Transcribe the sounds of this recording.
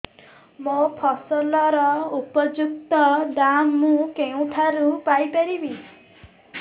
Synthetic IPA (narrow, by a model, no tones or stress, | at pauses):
mopʰɔsɔlɔɾɔupɔd͡ʒuk̚t̪ɔɖamːũkeũʈʰaɾupajpaɾibi